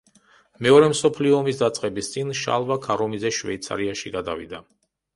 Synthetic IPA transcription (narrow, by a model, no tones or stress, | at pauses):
mɛɔɾɛmsɔpʰliɔːmisd̪at̪sʼqʼɛbist̪sʼinʃa̰lˠvakʰaɾɔmizɛʃvɛ̰it̪sʰa̰ɾiaʃiɡad̪avḭd̪a